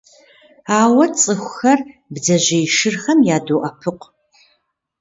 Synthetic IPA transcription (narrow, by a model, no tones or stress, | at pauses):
aːwɐt͡sʼɨxʷʊxɐrbzɐʑejʃɨrxɐmjaːdoːʔɐpʰɨq